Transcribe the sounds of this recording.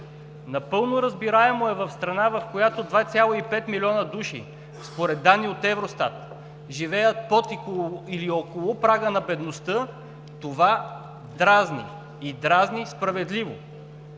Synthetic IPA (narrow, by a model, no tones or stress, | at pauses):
nɐpɤlˠnoɾəzbiɾaɛmoɛvɐfst̪ɾɐnavɐfkojat̪od̪vat̪sʲjalˠoipɛt̪milʲiɔnəd̪uʃḭ | spoɾɛd̪ːanːiot̪ɛvɾost̪a̰t̪ | ʒivɛjət̪̚pot̪ikoiliokolˠopɾaɡənɐbɛd̪nost̪ɤ | t̪ova | d̪ɾaznḭ | id̪ɾaznispɾɐvɛd̪livo̰